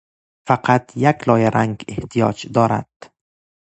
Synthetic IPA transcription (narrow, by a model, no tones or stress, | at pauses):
faqʰat̪jaklɒjaɾʔaŋɡḛht̪ʰijɒ̰d͡ʒd̪ɒːɾa̰d̪̥